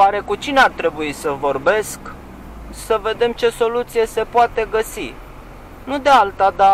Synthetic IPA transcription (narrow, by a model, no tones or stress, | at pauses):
oaɾe̞kut͡ʃineart̪ɾe̞buisəvo̞rbe̞sk | səve̞d̪e̞mt͡ʃe̞so̞lut̪sije̞se̞poat̪e̞ɡəsi | nud̪ealt̪ad̪a